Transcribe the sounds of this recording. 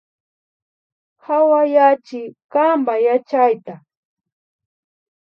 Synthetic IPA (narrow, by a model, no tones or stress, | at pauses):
hawajat͡ʃɪkambajat͡ʃajt̪a